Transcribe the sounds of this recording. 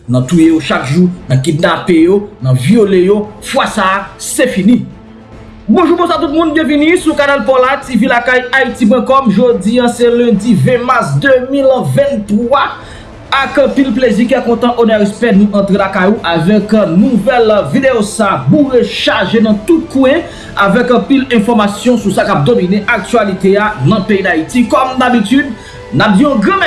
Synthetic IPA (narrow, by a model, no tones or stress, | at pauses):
nɐ̃t̪ujejoʃakʒunɐ̃kid̪napejonɐ̃vjolejofwasasefini | bɔ̃ʒubõsat̪̬ut̪̚mũnbjɛ̃vinisukanalpɔlativilakajaitibɛ̃kɔmʒodiãsɛlɛ̃divɛ̃maʁsd̪ømilvɛ̃nt̪ʁwa | akɑ̃pilplezik̬ɛkɔ̃t̪ãʔonaispɛdnũʔɐ̃t̪ʁelakajoʔavɛknuvɛlvid̪eosaːbuʁeʃaʒenɐ̃t̪ut̪̚kuɛ̃ | avɛkɐ̃pilɛ̃fɔʁmasjɔ̃susakap̚d̪omineʔak̚tɥalit̪eanɐ̃peid̪ait̪ikɔmd̪abit̪yd̪̚ | nap̚diɔ̃ɡʁɛ̃